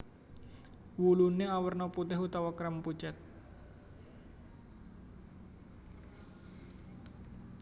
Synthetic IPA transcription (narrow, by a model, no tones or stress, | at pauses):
wuluneawərnɔput̪ɪɦut̪awakɾəmput͡ʃɛt̪̚